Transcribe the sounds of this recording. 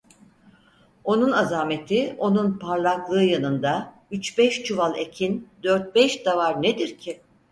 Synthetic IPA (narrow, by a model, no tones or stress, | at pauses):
o̞nunazaːme̞t̪ʰio̞nunpʰaɾlˠaklˠɯːjanɯnd̪a | yt͡ʃbɛʃt͡ʃʰuvalˠe̞cʰind̪øɾt̪̚bɛʃd̪avaɾned̪iɾcʰi